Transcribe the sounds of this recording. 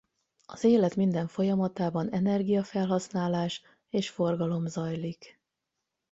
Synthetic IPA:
ɒzeːlɛt̪mind̪ɛɱfo̞jɒmɒt̪aːbɒnɛnɛrɡijɒfɛlɦɒsnaːlaːʃ | eːʃfo̞rɡɒlo̞mzɒjlik

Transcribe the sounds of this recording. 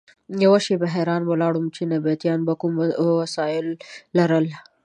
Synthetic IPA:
jawaʃebaɦeɾɑnwalɑɽumt͡ʃenabijat̪jɑnbakumwasɑɪlːaɾəl

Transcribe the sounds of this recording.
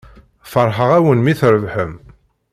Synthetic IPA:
fəɾˤħəʁæwənmiθɾəvħəm

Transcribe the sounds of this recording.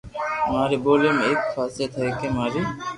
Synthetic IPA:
maːɾeːboːleːmeeːkfʰaːset̪ʰəɾiːkẽːmaːɾiː

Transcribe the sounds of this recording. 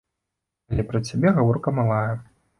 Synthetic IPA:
ɐlʲɛpɾɐt͡sʲabʲɛɣavɔrkɐmalˠajɛ

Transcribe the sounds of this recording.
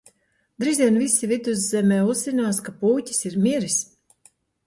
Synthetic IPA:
d̪ɾiːziɛnvisivid̪uzːɛmɛːuzzːinaːskapuːcʲi̥siɾmʲiɾis

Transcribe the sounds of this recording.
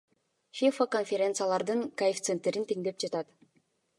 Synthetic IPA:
fʲifakonfʲeɾʲe̞nt̪sɨjalˠɑɾd̪ɯŋkaift̪sent̪eɾint̪eŋd̪e̞p̚d͡ʒɑt̪ɑt̪

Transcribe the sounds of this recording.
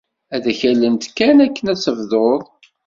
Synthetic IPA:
æðçælənt̪kːænækːənæt͡sːəvðoðˤ

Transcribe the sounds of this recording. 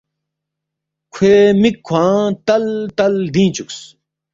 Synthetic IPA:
kʰeːmikʰːwãːt̪ɐlt̪ɐld̪ĩːt͡ɕuks

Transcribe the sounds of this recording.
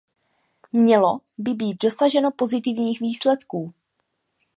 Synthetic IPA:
mɲɛlo̞bɪbiːt̪̚do̞saʒɛno̞po̞zɪt̪ɪvɲiːxviːslɛt̪kuː

